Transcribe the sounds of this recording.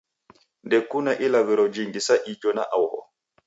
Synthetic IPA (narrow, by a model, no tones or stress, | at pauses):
ndɛkunaʔilawɛɾɔd͡ʒiŋɡisaʔid͡ʒɔna̰ʔawhɔ̰